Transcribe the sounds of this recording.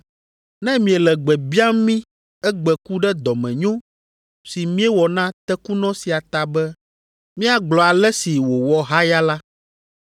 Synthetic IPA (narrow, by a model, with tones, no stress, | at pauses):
nɛ̃˦mĩ˨ɛ˨lɛ˨ɡ͡bɛ˨bi˦a˦mĩ˦ | ɛ˦ɡ͡bɛ˨ku˦ɖɛ˦d̪ɔ˨mɛ̃˨ɲõ˦ | si˨mĩ˦ɛ˦wɔ˨nã˦t̪ɛ˦ku˦nɔ̃˦si˨a˨t̪a˨bɛ˦ | mĩ˦a˨ɡ͡blɔ˨a˨lɛ˦si˨wo˨wɔ˨ɦa˦ja˦la˦